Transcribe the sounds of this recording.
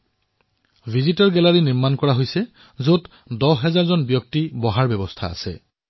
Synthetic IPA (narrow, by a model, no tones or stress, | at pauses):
bʱizitɔɹɡɛlaɹiniɹmankɔɹaɦojsɛ | zot | dɔɦɛzaɹzɔnbjɔk̚tibɔɦaɹbɛbɔstʰa̰a̰sɛ̰